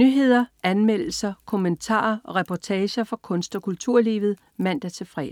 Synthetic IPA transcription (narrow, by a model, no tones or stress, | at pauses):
nyɦe̝ð̞̰ˠɐænmel̰l̩sɐkʰomənt͡sʰɑ̰̈ːɐɒ̽ʁɛpʰɒt͡sʰɛːɕɐfɒ̈kʰɔ̽nsd̥ɒkʰult͡sʰuɐ̰liːʋð̞̩ˠ | mæn̰d̥æɐt͡sʰe̝fʁɛ̰̥ː